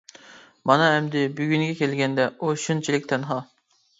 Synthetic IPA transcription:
mɑnɑɛmd̪ɪbyɡʲyŋɡʲɛkʲʰelɡʲɛnd̪ɛoʃunt͡ʃʰilɪk̚ʲt̪ʰɛnɦɑ

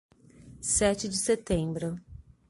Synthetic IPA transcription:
sɛt͡ʃɪd͡ʒɪset̪ẽbɾʊ

